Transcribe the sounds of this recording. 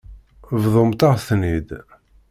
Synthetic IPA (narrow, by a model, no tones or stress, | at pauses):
vðˤomt̪ɑʁθnid̪